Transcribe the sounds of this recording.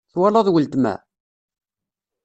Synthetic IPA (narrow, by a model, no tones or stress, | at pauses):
θwɑlɑðˤwəlt̪mæ̰